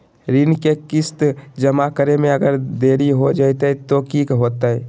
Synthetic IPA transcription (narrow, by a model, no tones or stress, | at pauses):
ɾɪnkekɪst̪d͡ʒəmakəɾemẽɐɡəɾd̪eːɾiɦod͡ʒaːt̪eɛt̪okiːkɦoːt̪aɦɛ̰